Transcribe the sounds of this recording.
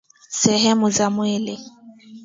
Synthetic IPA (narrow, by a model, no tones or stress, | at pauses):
sɛɦɛmuzamwele